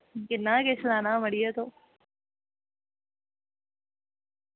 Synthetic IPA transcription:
kɪnaːkeːslaːnaːməɽijeːt̪oː

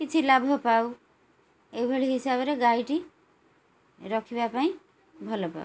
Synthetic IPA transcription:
kit͡sʰilabʱopaw | eibʱʌɽiɦisabɾeɡajʈi | ɾʌkʰibapaĩ | bʱʌlopa̰u

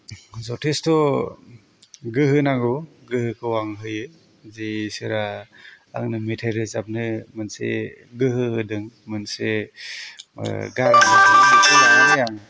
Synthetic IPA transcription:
zɔtʰestɔ | ɡɯɦɯnaŋɯ | ɡɯhɯkʰɯwaŋɦɯjɯ | zesɯɾaa̰ŋnɯmitʰajɾɯzap̚nɯmɯnsḛ | ɡɯɦɯhɯdɯŋmɯnse | ɡaɾakɯjaŋanɯjaŋ

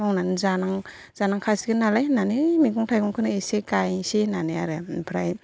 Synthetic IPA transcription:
ɔŋnanɯzanaŋ | z̥anaŋkʰasi̥ɡɯnalajnanɯmiɡɔŋtʰajɡɔŋkʰɯnɯesekajsenanɯa̰ɾɯpʰɾaj

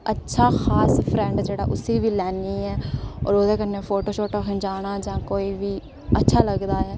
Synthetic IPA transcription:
ətːʃʰaːxʰaːspʰɾɛ̃ːɳɖd͡ʒeːɽa̰ːʔʊsiːʋiːlɛːniːɛːɔ̰ːɾoːd̪eːkənːeːpʰoːʈoːʃoːʈoːkɪ̃nd͡ʒaːɽ̃aːd͡ʒãːkoːiːʋiː | ətːʃʰaːləɡd̪aːɦɛː

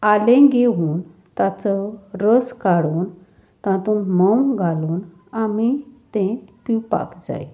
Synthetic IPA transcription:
alẽɡeuːn | t̪at͡sɔɾəskaɽuːn | t̪ãt̪uːnməwɡʱaluːn | amit̪ẽpiwpa̰kd͡za̰j

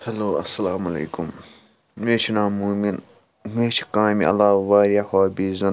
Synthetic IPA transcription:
hɐloːɐsɐlaːmɐlḛːkum | meːt͡ʃʰinaːmuːmin | meːt͡ʃʰi̥kaːmḭɐ̰laːʋaːɾjahaːbizɐn

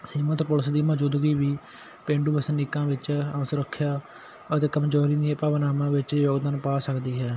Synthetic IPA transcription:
siːmət̪pʊləsd̪iːməd͡ʒʊːd̪ɡiːʋiː | pẽːɳɖuːbəsnɪkːãːʋɪt͡ʃə̃ːsəɾəkʰːjaː | ət̪eːkəmd͡ʒɔːɾĩd̪ɪãːpaːʋnaːmãːʋɪt͡ʃjoːɡd̪aːnpaːsəkd̪iːɦɛː

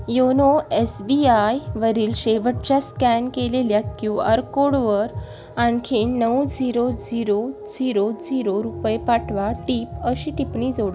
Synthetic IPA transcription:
jonoesbiajʋəɾiːlɕeʋəʈ̚t͡ɕaskænkeleljat̪kũa̰ɾkoɽʋəɾ | aɳkʰenəwd͡ziɾod͡ziɾo | d͡ziɾod͡ziɾoɾupjepaʈʰʋaʈiːpəɕiʈ̪ipɳid͡zoɽ

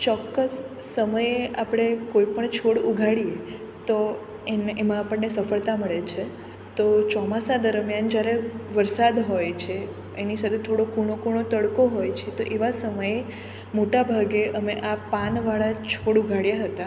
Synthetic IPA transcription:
t͡ʃɔkːəsːəməjeapɽ̃ekoipəɳt͡ʃʰoɽuɡʱaɽije | t̪o | enemãapəɳːesəfəɭt̪aməɭet͡ʃʰe | t̪ot͡ʃɔmasad̪əɾmjand͡ʒjaɾeʋəɾsad̪ɦojt͡ʃʰe | enisat̪ʰet̪ʰoɽokuɽ̃okuɳ̃ot̪əɽkoɦojt͡ʃʰet̪oʔeʋasəməje | moʈabʱaɡeʔəmeʔapanʋaɭat͡ʃʰoɽuɡʱaɽjaɦət̪a

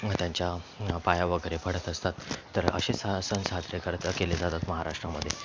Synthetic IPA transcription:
t̪jaɲt͡ɕjapajaʋəɡəɾepʰəɽ̤ət̪əst̪at̪ːəɾə̰ɕessənsɦat̪ɾekəɾt̪əkeled͡zat̪at̪məɦaɾaʂʈɾaməd̪ʱːje

